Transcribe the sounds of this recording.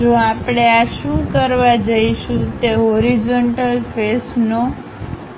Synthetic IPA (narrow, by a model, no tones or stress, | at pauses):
d͡ʒoapɽ̃eaʃũkəɾʋad͡ʒəiʃũt̪eɦoɾid͡ʒoɳʈəlfesno